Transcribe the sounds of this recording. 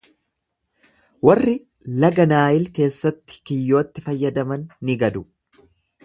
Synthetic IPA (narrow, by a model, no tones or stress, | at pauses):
wɐrːɪ | lɐɡɐnaːjɪlke̞ːsːɐt̪ːɪ̥kɪjːo̞ːt̪ːɪfɐjːɐd̪ɐmɐnːɪɡɐd̪ʊ